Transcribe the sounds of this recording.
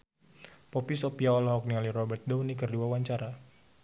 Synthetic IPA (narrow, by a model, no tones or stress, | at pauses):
pɔpisopiaɔlɔɦɔk̚nialiɾɔbɛrt̪̚dɔwnikərduawaɲt͡ʃaɾa